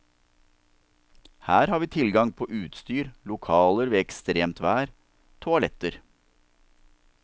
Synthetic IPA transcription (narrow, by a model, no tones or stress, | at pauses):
hæːɾhɑːɾʋiːt̪ʰɪlɡɑŋpʰoːʔʉːt̪st̪yːɾlʊkʰɑːləɾʋeːɛkst̪ɾeːmt̪ʋæːɾ | t̪ʰʊɑlɛt̪əɾ